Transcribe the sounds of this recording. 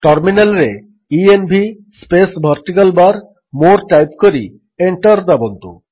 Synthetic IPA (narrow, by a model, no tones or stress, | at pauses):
ʈʌɾminelɾe | ienbʱi | spesbʱaɾʈ̪ikalbaɾ | moɾʈajpkoɾḭ | eɳʈaɾd̪abont̪ṵ